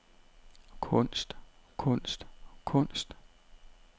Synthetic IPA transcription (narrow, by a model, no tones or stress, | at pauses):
kʰɔn̰sd̥kʰɔn̰sd̥kʰɔ̽n̰sd̥